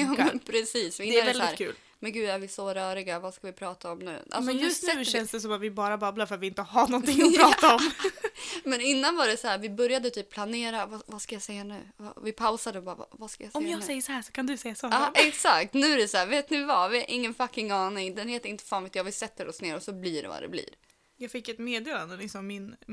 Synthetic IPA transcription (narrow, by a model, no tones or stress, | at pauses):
pʰɾɛsiːsvɪɪnːavɛldsɪːɾkʰʉːl | mɛnɡʉ̟ːæɾvɪsɔɾœːɾɪɡavaskavɪpʰɾɑːt̪aɔmnʉ̟̰ːʔa̰lsɔnʉːsɛʉːɛnsd̪ɛsɔmat̪vɪbɑːɾabablaɾfœɾat̪vɪɪnt̪əhaɳɔnt̪ɪŋːpɾɑːtaɔm | mɛnɪnːanvaɾɛsɔhæːɾvɪbɵɾjad̪ət̪ʰyːp̚pʰlaneːɾavavaskajasɛjːanʉ̟ːva̰vɪpʰaʊsad̪əbɑːɾ̰vaskajasɔjmjɑːɡsɛjːəsɔhæːʂɔ̥kʰand̪ɵsɛjːasɔhɑɛksakt̪nʉ̟ːæɾɛshæːveːt̪nɪvavɪɛɾʔɪŋːənfakːɪŋɑːnɪŋd̪ɛnheːt̪ːəɾɪnt̪ə̥fɑːnvɪt̪jɑːvɪsɛt̪ːəɾɔsneːɾɔsɔbliːɖɛ̰va̰d̪ɛ̰blḭːɾ | jɑːɡfɪkːɛt̪meːd̪eːland̪əlɪksɔmːɪn